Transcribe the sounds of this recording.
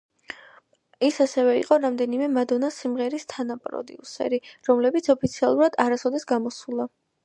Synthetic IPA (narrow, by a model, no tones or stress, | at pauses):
isasɛvɛḭqʼɔɾamd̪ɛnimɛmad̪ɔnasimʁɛɾist̪ʰanapʼɾɔ̰d̪ḭṵsɛ̰ɾiɾɔmlɛbit̪sʰɔpʰit̪sʰialˠuɾad̪aɾasɔd̪ɛsɡamɔsulˠa